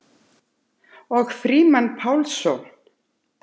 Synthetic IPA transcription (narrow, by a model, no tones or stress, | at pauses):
ɔɣfɾiːmanpʰawlsɔwn